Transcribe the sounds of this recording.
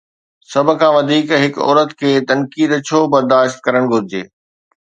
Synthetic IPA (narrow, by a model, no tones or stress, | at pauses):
sɐb̆ʱkʰãːʋɐd̪ʱiːkɦɪkɔ̰ːɾət̪kʰeːt̪ɐnkiːd̪t͡ɕʰoːbɐɾd̪aːʃt̪̚kɐɾəɽ̃ɡʱʊɾɪd͡ʑeː